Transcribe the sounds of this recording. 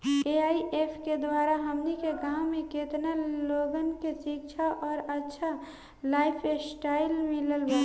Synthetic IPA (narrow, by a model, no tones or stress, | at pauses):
eaːiʔeːpʰked̪waːɾaɦəmnikeɡãːwmẽket̪naloːɡənkesikt͡ʃʰaʔɔːɾətːʃʰa | laːɪpʰesʈaːɪlmɪləlɡeː